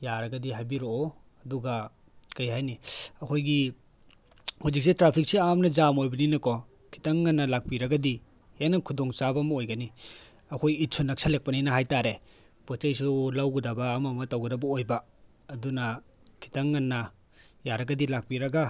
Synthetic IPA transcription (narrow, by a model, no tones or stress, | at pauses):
jaɾɐɡɐdiɦajbiɾoo | ɐduɡa | kajhajniɐkʰojɡi | huzik̚setɾapʰik̚siamnɐzamojbɐninɐkɔ | kʰi̥taŋːanːɐlak̚piɾɐɡɐdi | henakʰudɔŋsabamɐojɡɐni | ɐkʰojit̚sʰunɐksʰalek̚pɐnijnɐɦajtaɾe | pɔt͡ʃajsulawɡudabaːmɐmɐtawɡudabɐojbaː | dunakʰi̥taŋːanːa | jaɾɐɡɐdilak̚piɾɐɡa